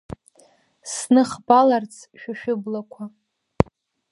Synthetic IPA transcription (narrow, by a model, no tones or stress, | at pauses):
snɨχbalart͡sʰʃᶣaʃᶣʊblakʷʰa